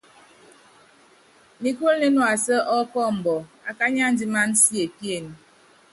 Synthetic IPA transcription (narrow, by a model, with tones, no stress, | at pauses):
mi˨ko˦lne˦nɔ˨a˨sə˦ʔɔ˦kɔ˦m̩˨bɔ˨a˨ka˦ɲa˦n̩˦di˦ma˦n̩˦si˦e˨pje˦˨ni˨